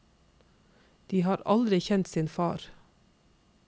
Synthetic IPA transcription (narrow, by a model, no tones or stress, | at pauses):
d̪̥iːhɑːɾɑ̰ld̪ɾɪçɛnt̪siːnfɑːɾ